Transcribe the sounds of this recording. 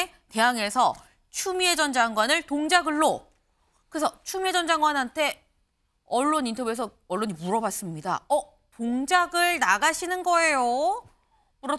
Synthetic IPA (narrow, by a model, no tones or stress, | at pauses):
te̞ɦaŋe̞sʰʌ | t͡ɕʰumie̞d͡ʑʌnd͡ʑaŋɡwanɯɭtoŋd͡ʑaɡɯɭːo | kɯɾesʰʌt͡ɕʰumie̞d͡ʑʌnd͡ʑaŋɡwanɦantʰe̞ | ʌɭːonintʰʌjuesʰʌ | ʌɭːoɲimuɾʌbas͈ɯmɲida̰ʌ | toŋd͡ʑaɡɯɭnaɡaɕʰinɯnɡʌe̞jo | muɾʌ